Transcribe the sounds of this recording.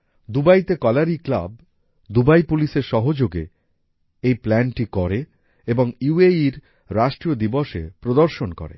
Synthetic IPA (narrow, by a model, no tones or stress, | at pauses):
d̪ubajt̪ekɔlaɾikla̰b | d̪ubajpuliʃeɾʃɔɦod͡ʑoɡḛ | ejplɛnʈikɔɾe | eboŋjueiɾ | ɾaʃʈɾiod̪iboʃḛpɾod̪oɾʃonkɔ̰ɾḛ